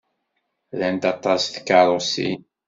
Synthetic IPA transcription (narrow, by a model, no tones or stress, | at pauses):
lænt̪ɑt̪ˤːɑsθkːɑɾˤosḭ